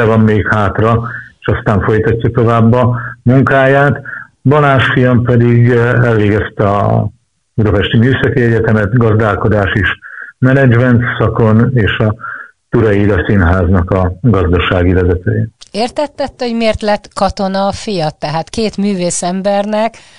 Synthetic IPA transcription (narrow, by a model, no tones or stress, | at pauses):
ɛvɒmːeːkhaːt̪rɒeːʃɒst̪aːɱfo̞jt̪ɒcːɒt̪o̞vaːbːɒmuŋkaːjaːt̪ | bɒnaːnʃfijɒmpɛd̪iɡɛlveːɡɛst̪ɛɒ̰ | ud̪ɒpɛʃt̪imyːsɒkiɛɟɛt̪ɛmɛt̪ɡɒzd̪aːlko̞d̪aːʃeʃmɛnɛd͡ʒmɛnt̪sɒko̞neːʃɒ | t̪uɾɒjiːd̪ɒsinɦaːznɒkɒɡɒzd̪ɒʃaːɡivɛzɛt̪øːjeeːrt̪ɛt̪ːɛt̪ːɛoɟmeːrt̪lɛt̪kɒt̪o̞nɒːfijɒt̪ːɛɦaːt̪keːt̪myːveːsɛmbɛrnɛk